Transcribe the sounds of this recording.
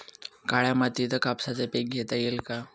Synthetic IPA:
kaɭjamat̪it̪əkapsat͡sepeɡ̚ɡʱet̪ajelka

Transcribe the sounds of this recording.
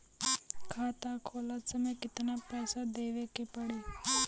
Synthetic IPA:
kʰaːt̪ãkʰoːlasəmẽkɪt̪napɛːsad̪eːʋekepəɽeː

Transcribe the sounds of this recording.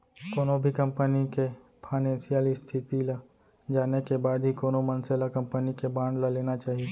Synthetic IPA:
koːnobʱikɐ̃mpənike | pʰaːɪnɛ̃ːnsijaːlist̪ʰɪt̪ila | d͡ʒaːnekebaːd̪ɦikoːnomɐnselakɐ̃mpənikebãːɳɖlaleːnat͡ʃaːɦie

